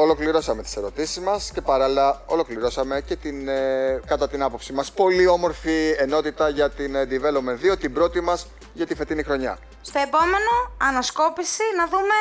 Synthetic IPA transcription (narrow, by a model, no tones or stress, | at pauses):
o̞lo̞kliɾo̞sɐmet̪i̥se̞ɾo̞t̪isizmɐsce̞pɐɾɐliɐo̞lo̞kliɾo̞sɐme̞ce̞t̪inkɐt̪ɐt̪inɐpo̞psimɐspo̞lio̞mo̞ɾfieno̞t̪it̪ɐʝɐt̪inend̪ive̞lopmenðio̞t̪ibɾo̞t̪imɐs | ʝɐt̪ife̞t̪inixɾo̞ɲɐ̰ | st̪o̞e̞po̞me̞no̞ɐnɐsko̞pisinɐðume̞